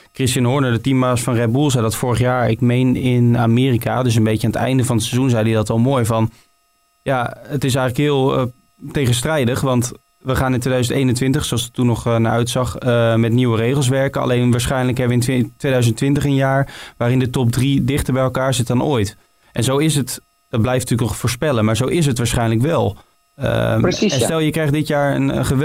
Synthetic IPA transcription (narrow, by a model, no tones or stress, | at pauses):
krɪstənɦʊɹnəɹdətimːaːsfɑnrɛd̚bulˠzɛjdɑtfʊːɹəχjaːɹɪ̰kmejnɪnaːmɪːrikadøs̬ənbejcaːnətɛ̰jndəvɑnətsɛzunzɛjdidɑtɛlˠmoːjvɑn | jaətɪs̬ɛjχələkɦɪːlˠ | tejχənstrɛjdəχʋɑnt | ʋəχaːnɪntʋejdœɥzəntejnəntʋɪntəχsoɑlˠsɪ̥k̚tunːɔχna̰ɹʔœɥtsɑχəmɛtniwərejχəlˠs̬ʋɛɹkənɑ̰lejnʋaːɹsχɛjnələkɦɛbəʋəɪntɪtʋejdœɥzəntʋɪntəχənjaːɹʋaːɾɪndətɔp̚dridɪχtəɹbɛjɛlˠkaːɹzɪt̚dɑnojt | ʔɛnzowɪsət | d̥ɑd̚blɛjfntyːləknɔχfoːɹspɛlənmaːɹzowʔɪs̬ɦətʋaːɹsχɛjnləkʋɛlˠ | ə̰ɛnstɛlˠjəkrɛjχtdɪtjaːɹə̰nə̰χə